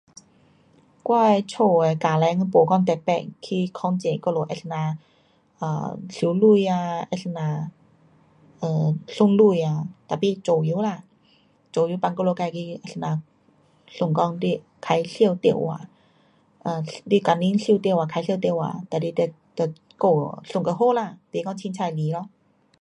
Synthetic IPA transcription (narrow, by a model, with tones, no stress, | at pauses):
kwɔ˧jt͡ɕʰoː˧˩a˧kaː˨˩lɛ˧˦ŋ˧po˨˦kɔ˧˨ŋt̪ɛ˨˩pɛ̰˧˨kʰi˧˩kʰɔ˧˦ŋt͡ɕe˨kɔ˧˨lo˨˧˦ʔɛ˧sna˧˩ | ʔa̰ː˧˩ɬi˨˦lu˧˨ja˧ʔɛ˧snaː˧˩ | ʔəː˧˩ɬu˧˨ŋlu˧˩˨ja˧˨t̪a˨˩piː˧t͡ɕo˨˩ju˧˦la˧˨ | t͡ɕo˨ju˧˦pa˧˨ŋkɔ˧lo˧˨ka˧˨kʰi˧ʔa˧˨snaː˧ | ɬo˧˨ŋkɔ˧˨ŋdi˧˩ | kʰa˨˧˥jɬi˧ə˨wt̪e˧˩˨wa̰˧˨ | ʔaː˧˩diː˧˨ka˨˩nːi˧˥˨nɬi˧˨wt̪i˧˨waː˧˩kʰa˧˦ɬʰi˧t̪e˧˨wa̰˧˨t̪a˧˩di˧˨t̪ɛ˧˩ | t̪ɛ˧˩ | ko˧˩ɬo˧˨ŋka˧ɦo˧˥˨la˧˨p̪iː˧˨kɔ˧˨ŋt͡ɕʰi˧˦nt͡ɕʰaː˧˩jli˧˨˦lɔ˧˥˨